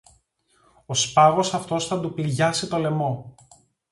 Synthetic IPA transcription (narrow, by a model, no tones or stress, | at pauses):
o̞spɐɣo̞sɐft̪o̞sθɐd̪upilʝɐsit̪o̞le̞mo̞